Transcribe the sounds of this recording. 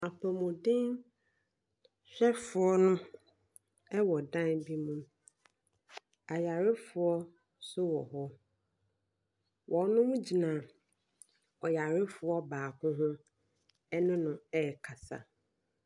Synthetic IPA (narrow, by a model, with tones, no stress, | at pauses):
a˨pʰɔ˨mʊ̃˨dɪ̃˦n | ɕᶣɛ˦fʊ˨ɔ˦nʊ̃˦ | ɛ˦wɔ˨dã˦nbi˦mũ˦m | a˨ja˨ɾɪ˦fʊ˨ɔ˦ | sʊ˦wɔ̰˨ɦɔ˦ | wʔɔ̃˨nʊ̃˦mũ˦d͡ʑi˨nã˨ | ɔ˨ja˨ɾɪ˦fʊ˨ɔ˦baː˨kʰʊ̃˦ɦʊ̃˦ | ɛ˦nʊ̃˦nʊ̃˨ɛ˦˨kʰa˨sa̰˨